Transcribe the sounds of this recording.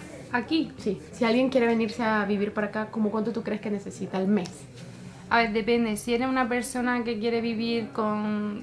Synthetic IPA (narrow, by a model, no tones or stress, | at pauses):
akisisialɣje̞ŋkje̞ɾe̞β̞e̞niɾse̞aβiβ̞iɾpaɾakako̞mokwant̪ot̪ukɾeskene̞se̞sit̪alme̞s | aβe̞ɾðe̞pe̞nd̪esieɾeunape̞ɾso̞nake̞kje̞ɾe̞βiβiɾko̞ŋ